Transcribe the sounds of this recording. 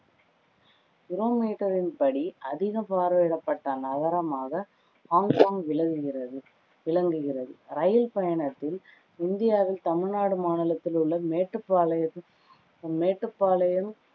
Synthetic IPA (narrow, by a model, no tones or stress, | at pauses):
kɪɾoːmiːʈːɐɾɪnpɐɽiʔɐðɪɣɐpaːɾʋeːɽɐpːɐʈːɐnɐɣɐɾɐmaːɣɐ | haːŋkaːŋɪɐɪɐɯ | ʋɪɭɐŋɡɯɣɪrɐðɯɾɐjɐlpɐjɐɳɐt̪ːɪl | ɪnd̪ɪjaːʋɪlt̪ɐmɪɻnaːɽɯmaːɳɪlɐt̪ːɪlɯɭːɐmeːʈːɯpːalɐ | meːʈːrɯpːaːlɐjɐm